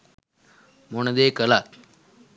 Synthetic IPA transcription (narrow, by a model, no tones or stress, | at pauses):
moɳəd̪ekəlat̪̚